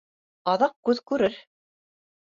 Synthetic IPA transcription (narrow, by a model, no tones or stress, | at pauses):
ɑðɑq̚kːʉðkʉɾɘɾ